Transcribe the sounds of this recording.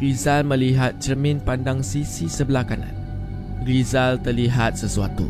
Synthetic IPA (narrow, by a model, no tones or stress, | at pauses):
ɾizalmə̃liɦat̪̚t͡ʃəmɪ̃npandaŋsisisəbəlakanã̰n | ɾizalt̪ərliɦat̪̚səsua̰t̪ṵ